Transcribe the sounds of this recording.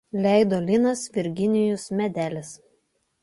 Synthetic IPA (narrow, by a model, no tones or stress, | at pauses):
lʲæˑɪd̪oːlʲɪnɐsʋʲɪɾʲɡʲɪnʲɪjʊsmʲɛd̪ʲæːlʲɪs